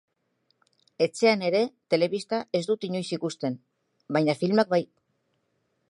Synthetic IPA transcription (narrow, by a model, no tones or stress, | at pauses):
e̞t͡se̞ane̞ɾe̞t̪e̞le̞βist̪aʔe̞zd̪ut̪iɲo̞jsikust̪e̞n | bajɲafilmak̚baj